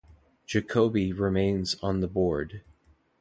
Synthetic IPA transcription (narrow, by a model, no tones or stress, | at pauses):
d̥ʒ̥ɨkʰoʊbiɹɪmẽɪ̃nzn̩ðəbɔɹd̥